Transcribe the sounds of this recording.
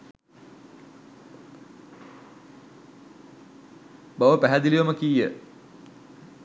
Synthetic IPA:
baʋəpæɦæd̪iliʋɐməkijə

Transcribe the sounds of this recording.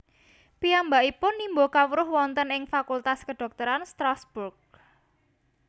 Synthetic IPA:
piambaipʊnːimbokawɾʊhwɔnt̪ənɪŋfakult̪askəɖ̥ɔ̤k̚t̪ɔɾanst̪ɾasb̥urk̚

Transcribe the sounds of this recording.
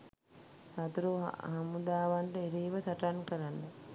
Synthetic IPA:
sat̪uɾṵɦamud̪aːʋaɳʈəeɾiːʋəsaʈankəɾanːə

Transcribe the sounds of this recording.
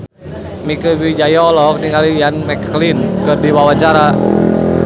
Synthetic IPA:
mikəvid͡ʒajɔlɔk̚diŋalijanmɛkːlinkɨrdiwawaɲt͡ʃaɾa

